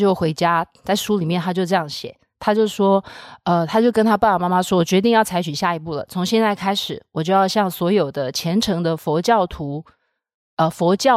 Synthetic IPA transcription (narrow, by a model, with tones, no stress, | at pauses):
jo˥˩ʊxwe˧˥ɪt͡ɕja˥ | t͡sa˥˩ɪʂu˥li˨˩mjɛ˥˩nʰa˥t͡ɕjo˥˧ʊʈ͡ʂɤ˥˧jɑ˥˩ŋɕjɛ̰˨˩˦ | t̪ʰa˥t͡ɕjo˥˧ʊʂwɔ˥ə˧t̪ʰa˥t͡ɕjo˥˩ʊkə˥nt̪ʰa˥pa˥˩pma˥ma˥ʂwɔ˥wɔ˨˩t͡ɕɥɛ˧˥t̪i˥˧ŋjɑ˥˩ʊt͡sʰa˧˥ɪt͡ɕʰy˨˩ɕja˥˩i˧˥pu˥˩lə̰˩t͡sʰʊ˧˥ŋɕjɛ˥˧nt͡sa˥˩ɪkʰa˥ɪʂɻ̩˨˩˦wɔ˨˩t͡ɕjo˥˧ʊjɑ˥˧ʊɕjɑ˥˩ŋswɔ˧˥jo˨˩ʊd̪ə˦t͡ɕʰjɛ˧˥nʈ͡ʂʰɤ˧˥ŋd̪ə˧fɔ˧˥t͡ɕjɑ˥˩ʊt̪ʰu˧˥ | ə˧fɔ˧˥t͡ɕjɑ˥˩